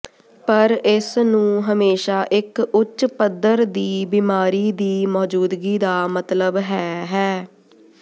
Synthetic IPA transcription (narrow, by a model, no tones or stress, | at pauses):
pəɾɪsnũːɦəmeːʃaːʔɪkʊtːʃpəd̪əɾd̪iːbiːmaːɾiːd̪iːmɔːd͡ʒuːd̪ɡiːd̪aːmət̪ləbɦɛːɦɛː